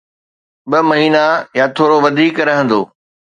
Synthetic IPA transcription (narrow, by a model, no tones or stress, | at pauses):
ɓɐmɐɦiːnajat̪ʰoːɾoʋɐd̪ʱiːkɾɐɦə̃nd̪oː